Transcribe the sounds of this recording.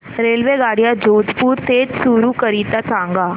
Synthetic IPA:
ɾeːlʋeɡaːɽijad͡ʒoːd̪ʱpuːɾt̪eːd͡ʒsuɾukəɾiːt̪asãːŋɡaː

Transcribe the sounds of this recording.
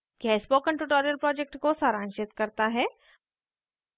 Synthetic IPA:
kaɪspokə̃ɳʈuʈoːɾijəlpɾɔːd͡ʒek̚ʈkosaːɾãːnʃɪt̪kɐɾt̪aɦɛː

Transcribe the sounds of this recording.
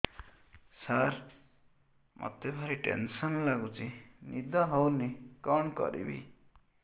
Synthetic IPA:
saɾ | mʔɔ̰t̪ebʱaɾiʈḛnsɔnlaɡut͡ʃinid̪ʱɔɦɔwnikɔɳkɔ̰ɾḭbḭ

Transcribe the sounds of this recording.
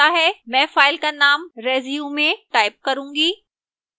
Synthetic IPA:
aɦɛːmɛ̃ːfaːɪlkanaːmɾeːzijumẽʈaːɪp̚kɐɾũːŋɡiː

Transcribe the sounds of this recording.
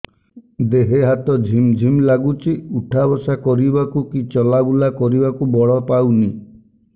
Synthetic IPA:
d̪eɦeɦat̪ɔd͡ʒʱimd͡ʒʱimlaɡut͡ʃʰiuʈʰabɔsakɔɾibakukit͡ʃɔlabulakɔɾibakubɔɭɔpawni

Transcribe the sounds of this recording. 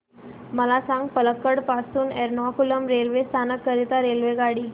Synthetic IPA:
məlasãŋɡ̚pələkːəɽpasuːnɛɾnɔkuləmɾelʋest̪ʰanəkːəɾit̪aɾelʋeɡaɽiː

